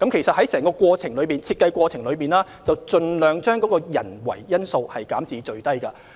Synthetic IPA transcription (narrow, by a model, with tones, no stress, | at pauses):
kɐ˨˥mkʰe˨˩jsɐ˨t̚hɐ˨˥jsɛː˨˩ŋkɔː˧kʷɔː˧t͡sʰɪ˨˩ŋlɵ˨˧˥miː˨nt͡sʰiː˧t̚kɐ˧jkʷɔː˧t͡sʰɪ˨˩ŋlɵ˨˧ɥmiː˨nlaː˥ | t͡sɐ˨wt͡ʃɵ˧nlœː˨˧ŋt͡ʃœː˥ŋkɔː˨˥kɔː˧jɐ̰˨˩nwɐ̰˨˩jːɐ˥nso˧whɐ˨jkaː˨˥mt͡siː˨˧t͡ʃɵ˧ɥt̪ɐ˥jkɐ˧